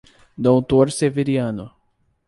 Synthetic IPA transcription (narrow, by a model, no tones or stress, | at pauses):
d̪owt̪oɾseveɾiɐ̃nʊ